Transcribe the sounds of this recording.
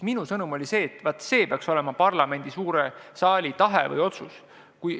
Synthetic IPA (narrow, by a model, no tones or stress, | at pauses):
minusɤnumo̞lʲise̞ːt̪ːvɑt̪ːˑse̞ːpeɑkso̞le̞mɑpɑrlɑme̞nʲd̪̥isuːɾesɑːlʲit̪ɑɦḛvɤ̰jo̞t̪sus | kuj